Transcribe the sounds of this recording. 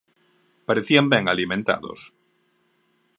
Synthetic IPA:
paɾeθiambẽŋalimẽnt̪a̰ðo̰s

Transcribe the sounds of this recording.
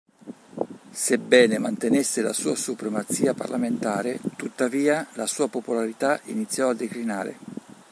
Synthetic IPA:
sebːɛːnemant̪enesːela̰suːasupɾemat̪siːapa̰rlʔament̪aːɾet̪ut̪ːaviːalasuːapopolaɾit̪aḭnit̪sːjɔad̪ːekɾinaːɾḛ

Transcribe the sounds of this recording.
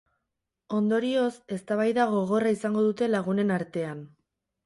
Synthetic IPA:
o̞nd̪o̞ɾio̞se̞st̪aβajðaɣ̞o̞ɣ̞o̞raisaŋɡo̞ðut̪e̞laɣ̞une̞naɾt̪e̞an

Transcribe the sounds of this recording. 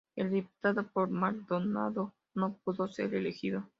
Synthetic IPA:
eld̪ipu̥t̪aðopoɾmaɾd̪ona̰ðo | nop̚uðosḛɾelexiðo̞

